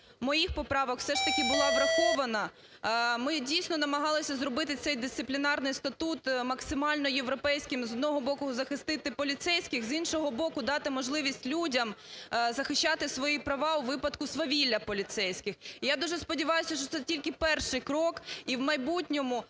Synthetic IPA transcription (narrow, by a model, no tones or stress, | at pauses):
mɔjixpɔpɾɑʋɔkfsɛʃt̪ɐkʲɪbʊlˠɑbɾɐxɔʋɐnɐ | mɪdʲijsʲnɔnɐmɐɦɑlˠɪsʲɐzɾɔbɪt̪ɪt̪sɛjd̪ɪst̪sɪplʲinɑrnɪjst̪ɐt̪ut̪mɐksɪmɑlʲnɔjeʋɾɔpɛjsʲkʲɪmzɔd̪nɔɦɔbɔkʊzɐxɪst̪ɪt̪ɪpɔlʲit̪sɛjsʲkʲɪxzinʃɔɦɔbɔkʊd̪ɑt̪ɪmɔʒlˠɪʋʲisʲtʲlʲudʲɐmzɐxɪʃʲt͡ʃːɑt̪ɪsʋɔjipɾɐʋɑʊʋɪpɐd̪kʊsʋɐʋʲilʲːɐpɔlʲit̪sɛjsʲkʲɪxijad̪uʒɛspɔdʲiʋɑjʊsʲɐʃt͡ʃɔt̪sɛtʲilʲkɪpɛrʃɪjkɾɔkiwmɐjbutʲnʲɔmʊ